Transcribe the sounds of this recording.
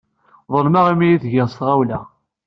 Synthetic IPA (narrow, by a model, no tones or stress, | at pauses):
ðˤəlmaʁimijiθʝəʁst̪ʁawlæ